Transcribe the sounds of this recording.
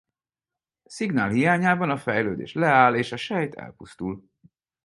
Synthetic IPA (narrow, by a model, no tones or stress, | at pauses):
siɡna̰ːlɦijaːɲaːbɒnɒfɛjløːd̪ḛːʃlɛaːleːʃɒʃɛjt̪ʰɛ̰lpust̪ul